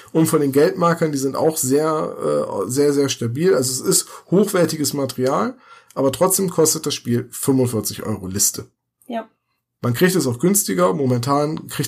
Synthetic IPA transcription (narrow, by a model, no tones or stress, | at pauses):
ʔʊntfɔndeːnɡɛltmaɐkɐndiːzɪnta̰ʊxz̥eːɐʔɛ̰ːzeːɐzeːɐʃtabiːlʔalzosɪsthoːxv̥ɛɐtɪɡəsmateʁiaːlʔaːbɐtʁ̥ɔt͡sd̥eːmkʰɔstət̚d̥asʃpiːlfʏmʊnfɪɐt͡sɪçʔɔ̰ʏʁolɪstʰə | mankʁ̥içtɛs̬aʊxɡ̥ʏnstɪɡɐmomɛntʰaːnkʁ̥ɪç